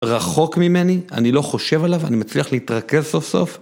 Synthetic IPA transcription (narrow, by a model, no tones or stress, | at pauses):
ʁaχo̞kmime̞nia̰nilo̞χo̞ʃe̞valava̰nimat͡sliaχlehitʁake̞zso̞fso̞̰f